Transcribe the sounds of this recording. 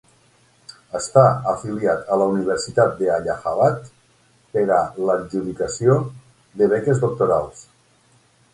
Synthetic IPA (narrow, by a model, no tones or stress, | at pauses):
əst̪aəfiliat̪əlauniβ̞əɾsit̪at̪̚d̪eaʎaxaβat̪ | peɾalaɾʒuðikasio | ðeβ̞ɛkezðok̚t̪oɾalˠs